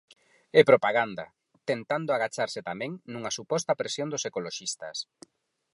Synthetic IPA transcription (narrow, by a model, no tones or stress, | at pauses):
ɛpɾopaɣand̪a̰ | t̪ent̪and̪oaɣat͡ʃaɾsɪt̪amɛ̃ŋnuŋɐsupɔst̪ɐpɾesjond̪ʊsekoloʃist̪ɐ̰s